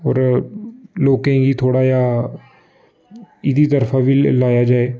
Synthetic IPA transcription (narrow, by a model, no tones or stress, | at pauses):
ɔ̰ːɾ | loːkẽɡiːt̪ʰoːɽaːjaː | ɪd̪iːt̪əɾfʰaːʋiːlaːjaːd͡ʒaːeː